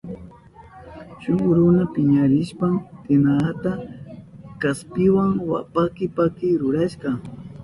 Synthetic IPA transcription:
ʃʊŋɾʊnapɪɲaɾɪʃpamt̪ɪnaat̪a | kaspɪwaŋwa̰pakɪpakɪɾʊɾaʃqɑ

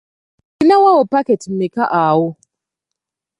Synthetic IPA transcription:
kinawawopaketmekaʔaːwo

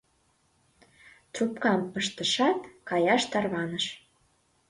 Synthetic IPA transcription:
t̪rupkɑmpəʃt̪əʃɑt̪kɑjɑʃt̪ɑrβɑnəʃ

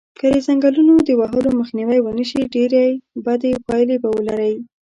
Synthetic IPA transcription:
kəd̪əzaŋɡalunod̪əwaɦəloməxniwajwənəʃiɖeɾajbad̪epɑjlebawəlaɾawi

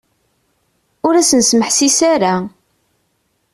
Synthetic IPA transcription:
ʊɾæsənsməħsisaɾa

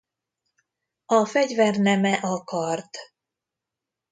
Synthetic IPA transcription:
ɒfɛɟvɛrnɛmɛʔɒkɒrt̪

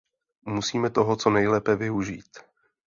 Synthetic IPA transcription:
musiːmɛt̪oɦo̞t͡so̞nɛjlɛːpɛvɪuʒiːt̪

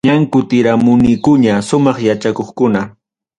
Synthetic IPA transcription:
ɲaŋkʊt̪ɪɾamʊnɪjkʊɲaʃʊmɑχjat͡ʃakoχkʊna

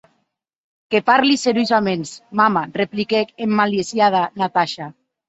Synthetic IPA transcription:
kepaɾliseɾuzamensmamareplikekemːaljesjað̞anat̪aʃa

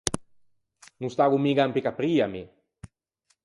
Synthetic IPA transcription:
nũst̪aːɡumiɡampikapɾiːami

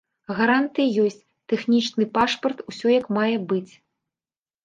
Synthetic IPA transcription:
ɣaɾant̪ɨjijɔsʲt͡sʲ | t̪ɛxnʲit͡ʂnɨpaʂpɐrt̪usʲɔjɐkmajɛbɨt͡sʲ

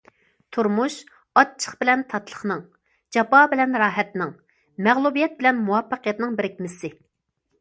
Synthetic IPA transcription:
t̪ʰuɾmuʃ | ɑt̪̚t͡ʃʰːə̥χbɪlɛnt̪ʰɑt̪lˠə̥χnɨŋ | d͡ʒɑpɑːbɪlɛnɾɑːɦɛt̪nɪŋ | mɛʁlˠubijɛt̪̚bɪlɛnmuwɑpːəqijɛt̪nɪŋbɪɾɪkʲmɪsɪ

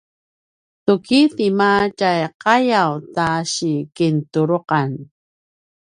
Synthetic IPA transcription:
tukitimat͡ʃajqajawtaɕikintuɾoqɑn

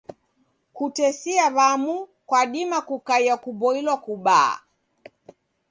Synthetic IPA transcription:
kutɛsiaβamukwaɗimakukaiakuɓɔilwakuɓa̰ː

